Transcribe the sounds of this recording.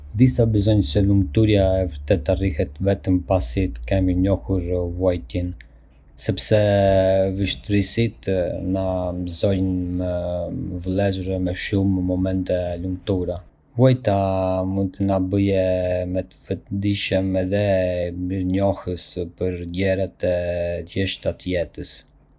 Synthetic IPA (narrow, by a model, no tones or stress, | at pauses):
d̪isabəzɔnsəlumt̪uɾjaɛvəɾt̪ɛt̪ːarihɛt̪vɛt̪əmpasit̪ə̥kɛmiɲɔhuɾvuɔjt̪in | sɛpsɛ | vəʃt̪ɾisit̪namzɔjnməvlˠɛzuɾɛmɛʃuməmɔmɛnt̪ɛlumt̪uɾa | vuɔjt̪amund̪̚t̪ənabəjɛmɛt̪əfət̪d̪iʃəmɛðɛmiɾɲɔhəspəɾɟɛɾat̪ɛt̪ʰjɛʃt̪at̪jɛt̪əs